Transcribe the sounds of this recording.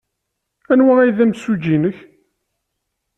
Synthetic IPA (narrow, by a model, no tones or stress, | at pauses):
ænwææjðæmsud͡ʒinəç